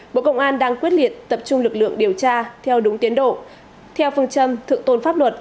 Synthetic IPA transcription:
ɓo̰˧˨kə˧wŋ͡mʔaː˧nɗaː˧ŋkwi˦˥ət̚li˨˩ət̚t̪ə˨˩p̚t͡ɕʊ˧ŋ͡mlɨ˨˩k̚lɨ̰˧˨əŋɗi˨˩əwt͡ɕaː˧t̪ʰɛ˧wɗʊ˨˦ŋ͡mt̪i˨˦ənɗo̰˧˨ | t̪ʰɛ˧wfɨ˧ŋt͡ɕə˧mt̪ʰɨ̰˧˨əŋt̪o˧˩nfaː˦˥p̚lwə˨˩t̚

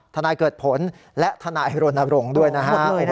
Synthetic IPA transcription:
t̪ʰa˧naː˧jkɤː˨˩t̪̚pʰo˩˦n | lɛ˦˥ʔt̪ʰa˧naː˧jɾo˧nʔa˧ɾo˧ŋdu˥˩əjna˦˥kʰa˦˥

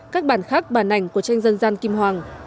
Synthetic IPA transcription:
kaː˦˥k̚ɓaː˧˩nxaː˦˥k̚ɓaː˧˩nʔa˨˧˩jŋ̟ku˧˩ət͡ɕa˧jŋ̟zə˧nzaː˧nki˧mhwaː˨˩ŋ

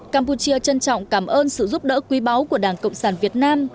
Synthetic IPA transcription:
kaː˧mpu˨˧˩t͡ɕi˧ət͡ɕə˧nt͡ɕɔ̰˧˨wŋ͡mkaː˧˩mʔəː˧nsɨ̰˧˨zu˦˥p̚ɗə̰ː˧˥kwi˨˦ɓa˨˦wku˧˩əɗaː˧˩ŋkə̰˧˨wŋ͡msaː˧˩nvi˨˩ət̚naː˧m

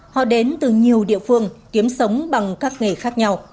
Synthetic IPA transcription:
hɔ̰˧˨ɗe˨˦nt̪ɨ˨˩ɲi˨˩əwɗḭ˧˨əfɨ˧əŋk̪i˨˦əmsə˨˦wŋ͡mɓa˨˩ŋkaː˦˥k̚ŋe˨˩xaː˦˥k̚ɲa˧w

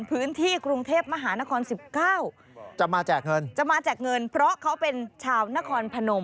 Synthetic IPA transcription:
npʰɯː˦˥nt̪ʰiː˥˩kɾu˧ŋt̪ʰeː˥˩p̚ma˧ɦaː˩˦na˦˥kʰɔː˧nsi˨˩p̚kaː˥˩w | t͡ɕa˨˩maː˧t͡ɕaː˨˩k̚ŋɤ˧nt͡ɕa˨˩maː˧t͡ɕaː˨˩k̚ŋɤ˧npʰɾɔ˦˥kʰa˦˥wpe˧nt͡ɕʰaː˧wna˦˥kʰɔː˧npʰa˧no˧m

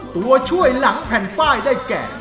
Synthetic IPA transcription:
t̪u˨˧˦ɐt͡ɕʰu˥˩əjla˩˦ŋpʰɛ˨˩npaː˥˩jdaː˥˩jkɛ̰ː˨˩

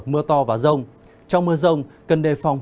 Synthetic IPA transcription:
mɨ˧ət̪ɔ˧vaː˨˩zə˧wŋ͡m | t͡ɕɔ˧wŋ͡mmɨ˧əzə˧wŋ͡mkə˨˩nɗe˨˩fɔ˨˩wŋ͡m

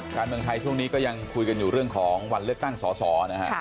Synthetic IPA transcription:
kaː˧nmɯ˧əŋt̪ʰa˧jt͡ɕʰu˥˩əŋniː˦˥kɔː˥˩ja˧ŋkʰu˧jka˧njuː˨˩ɾɯ˥˩əŋkʰɔː˩˦ŋwa˧nlɯ˥˩ək̚t̪a˥˩ŋsɔː˩˦sɔː˩˦˧na˦˥kʰa̰˦˥

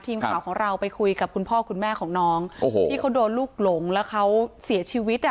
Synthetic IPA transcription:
t̪ʰiː˧mkʰaː˨˩˦wkʰɔː˩˦ŋɾa˧wpa˧jkʰu˧jka˨˩p̚kʰu˧npʰɔː˥˩kʰu˧nmɛː˥˩kʰɔː˩˦ŋnɔː˦˥ŋo˧tːtʰiː˥˩kʰa˦˥wdoː˧nluː˥˩k̚lo˩˦ŋlɛː˦˥wkʰa˦˥wsi˨˩˦ɐt͡ɕʰiː˧wi˦˥t̪̚ʔ

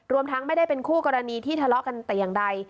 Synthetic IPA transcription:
ɾu˧əmt̪ʰa˦˥ŋma˥˩jda˥˩jpe˧nkʰuː˥˩kɔː˧ɾa˧niː˧t̪ʰiː˥˩t̪ʰa˧lɔ˦ʔka˧nt̪ɛː˨˩jaː˨˩ŋda˧j

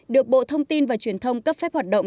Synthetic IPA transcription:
ɗɨ˨˩ək̚ɓo̰˧˨t̪ʰə˧wŋ͡mt̪i˧nvaː˨˩t͡ɕwi˧˩ənt̪ʰə˧wŋ͡mkaː˦˥pfɛ˦˥p̚hwaː˨˩t̚ɗə̰˧˨wŋ͡m

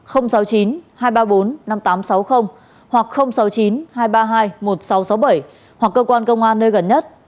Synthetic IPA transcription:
xə˧wŋ͡msa˨˦wt͡ɕi˨˦nhaː˧jɓaː˧ɓo˨˦nːa˧mt̪aː˨˦msa˨˦wxə˧wŋ͡m | hwa˨˩k̚xə˧wŋ͡msa˨˦wt͡ɕi˨˦nhaː˧jɓaː˧ɦaː˧jmo˨˩t̚sa˨˦wsa˨˦wɓə˧˩j | hwa˨˩kːəː˧kwaː˧nkə˧wŋ͡mʔaː˧nːəː˧jɣə˨˩nɲə˦˥t̚

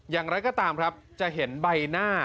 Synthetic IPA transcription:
jaː˨˩ŋɾa˦˥jkɔː˥˩t̪aː˧mkʰɾa˦˥p̚t͡ɕa˨˩ɦe˩˦nba˧jnaː˥˩

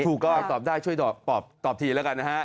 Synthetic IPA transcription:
uː˨˩kːɔː˧˥˩ʔaː˨˩k̚t̪ɔː˨˩p̚daː˥˩jt͡ɕʰu˥˩əjt̪ɔː˨˩p̪ɔː˨˩p̚t̪ɔː˨˩p̚t̪ʰiː˧lɛː˦˥ka˧nːa˦˥a˦˥ʔ

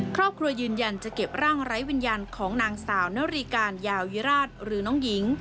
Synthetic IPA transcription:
kʰɾɔː˥˩p̚kʰɾu˧ɐjɯː˧nja˧nt͡ɕa˨˩ke˨˩p̚ɾaː˥˩ŋɾa˦˥jwi˧njaː˧nkʰɔː˩˦ŋnaː˧ŋsaː˩˦wnaː˦˥ɾi˧kaː˧njaː˧wwi˦˥ɾaː˥˩t̪̚ɾɯː˩˦nɔː˦˥ŋji˩˦ŋ

